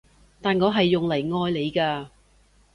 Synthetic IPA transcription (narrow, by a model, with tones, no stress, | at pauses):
t̪aː˨nŋɔː˨˧ɦɐ˨jːʊ˨ŋlɐ˨˩jŋɔː˧jle˨˧jkaː˧